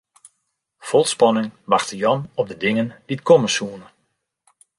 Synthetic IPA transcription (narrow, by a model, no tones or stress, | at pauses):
fɔlˠtspɔnɪŋʋaxtəjɔnɔp̚dədɪŋənd̥itkʰɔməsuənə